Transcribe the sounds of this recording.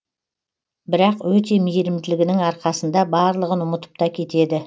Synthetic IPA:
bɪɾɑqwɵt̪e̞mejɾɪmd̪ɪlɪɡʲɪnɪŋɑɾqɑsənd̪ɑbɑɾlˠəʁənʊmət̪ə̥p̚t̪ɑkʲʰe̞t̪e̞d̪ɪ

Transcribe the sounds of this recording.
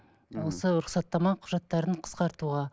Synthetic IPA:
wo̞səɾʊχsɑt̪ːɑmɑqʰʊʒɑt̪ːɑɾəɴqʰə̥sqɑɾt̪uʁɑ

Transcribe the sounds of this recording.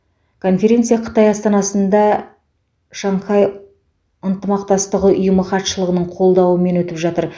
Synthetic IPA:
kʰo̞nfʲe̞ɾʲe̞nt̪sɨjɑqʰə̥t̪ɑjɑst̪ɑnɑsənd̪ɑ | ʃɑɴqʰɑj | ənt̪əmɑq̚t̪ɑst̪əʁəʊjəməχɑt̪ʃəlˠəʁənəɴqʰo̞lˠd̪ɑwəme̞nwɵt̪ɪpʒɑt̪əɾ

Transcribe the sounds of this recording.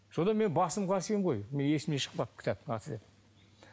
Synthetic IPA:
ʃod̪ɑme̞nbɑsəmqʰɑɾsemʁo̞jme̞ne̞sɪmneʃə̥qpɑpkʰʲɪ̥t̪æp̚ɑt̪ʰəd̪ep̪

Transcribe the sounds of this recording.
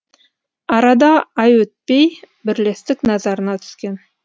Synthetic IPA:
ɑɾɑd̪ɑɑjwɵt̪̚pej | bɪɾle̞st̪ɪknɑzɑɾənɑt̪ʰʏ̥skʲe̞n

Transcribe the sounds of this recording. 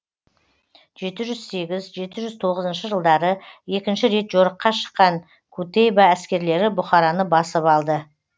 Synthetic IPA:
ʒ̥e̞t̪ɪʒʏzse̞ɡʲɪzʒe̞t̪ɪʒʏzt̪ʰo̞ʁəzənʃəʒəlˠd̪ɑɾəe̞kʲɪnʃɪɾe̞t̪ʒo̞ɾəqːɑʃə̥qːɑŋ | kʰut̪ejbɑæskʲe̞ɾle̞ɾɪbʊχɑɾɑnəbɑsəpɑlˠd̪ə

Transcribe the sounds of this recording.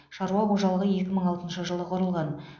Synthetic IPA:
ʃɑɾuɑqʰoʒɑlˠəʁəje̞kʲɪməɴɑlˠt̪ənʃəʒəlˠəqʰoɾəlˠʁɑn

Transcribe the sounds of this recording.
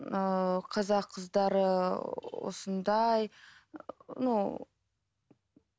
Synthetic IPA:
əqʰɑzɑqʰːəzd̪ɑɾəwo̰sənd̪ɑj | no

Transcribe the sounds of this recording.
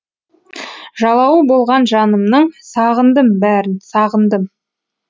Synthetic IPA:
ʒɑlˠɑwəbo̞lˠʁɑnʒɑnəmnəɴsɑʁənd̪əmbæɾɪnsɑʁənd̪əm

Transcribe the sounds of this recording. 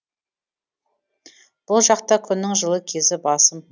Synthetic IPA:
b̥ʊlˠʒɑqt̪ɑkʲʰʏnːɪŋʒəlˠəkʲʰe̞zɪbɑsəm

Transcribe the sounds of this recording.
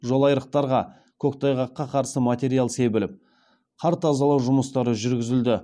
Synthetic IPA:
ʒo̞lˠɑjɾəq̚t̪ɑɾʁɑ | kʲʰɵkt̪ʰɑjʁɑqːɑqʰɑɾsəmat̪ʲe̞ɾijalˠse̞bɪlɪp̚ | qʰɑɾt̪ʰɑzɑlˠɑwʒʊməst̪ɑɾəʒʏɾɡʲɪzɪld̪ɪ

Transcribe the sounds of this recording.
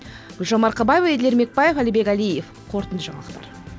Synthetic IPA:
ɡ̥ʊlʒomɑɾqʰɑbɑjevɑed̪le̞ɾme̞k̚pɑjefælijbe̞kʲælijef | qʰo̞ɾt̪ənd̪əʒɑɴɑlˠəq̚t̪ɑ̰ɾ

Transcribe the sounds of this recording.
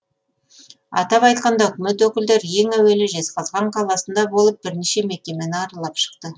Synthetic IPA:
ɑ̰t̪ɑpɑjt̪̚qɑnd̪ɑɵkʲɪme̞t̪wɵkʲɪld̪e̞ɾje̞ŋæwe̞lɪʒe̞sqɑzʁɑɴqʰɑlˠɑsənd̪ɑbo̞lˠəp̚bɪɾniʃe̞me̞kʲe̞menɪɑɾɑlˠɑpʃə̥qt̪ə

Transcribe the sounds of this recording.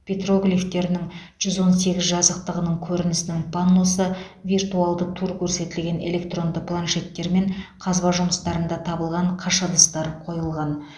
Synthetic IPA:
pʰʲet̪ro̞ɡlʲift̪e̞ɾɪnɪŋʒ̥ʏzwo̞nse̞ɡʲɪzʒɑzəq̚t̪əʁənəɴkʲʰɵɾɪnɪsɪnɪŋpʰanːosəvʲirt̪ualˠd̪əqt̪ʰuɾkʲʰɵɾse̞t̪ɪlɡʲe̞ne̞̰le̞k̚t̪ro̞nd̪əpʰlˠanʃe̞t̪ːe̞ɾme̞ɴqʰɑzbɑʒʊməst̪ɑɾənd̪ɑt̪ʰɑbəlˠʁɑɴqʰɑʃəd̪əst̪ɑɾqʰo̞jəlˠʁɑn

